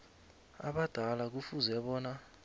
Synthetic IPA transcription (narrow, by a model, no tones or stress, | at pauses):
a̰ɓad̥ʱalak̬ufuzɛɓɔːna